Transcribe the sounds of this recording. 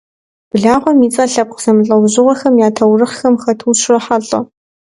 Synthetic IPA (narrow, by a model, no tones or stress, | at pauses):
b̥ɨɮaːʁʷɔmiːt͡sʼɐɬɐp̚qz̥ɐmɨɬʼɐwʑɪʁʷɔxɐmjaːtʰɐwrɨχxɐmxɐtʰuːɕʰrɐħaɬʼɐ̰